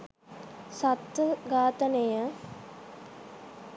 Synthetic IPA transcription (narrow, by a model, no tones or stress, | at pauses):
sat̪ʋəɡaːt̪ənejə